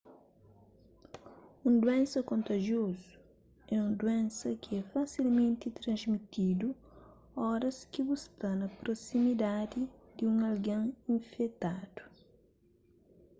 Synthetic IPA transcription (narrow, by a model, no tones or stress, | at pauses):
ũnd̪wɛ̃nsɐkõnt̪ɐʒiozu̥ | ɛũnd̪uɛ̃nsɐkɪɛfasilmẽnt̪it̪ɾɐ̃nzmit̪id̪u | ɔɾɐskibust̪ɐnɐpɾosimid̪ad̪id̪iũŋɐlɡɐ̃ŋĩɱfɛt̪ad̪̥u̥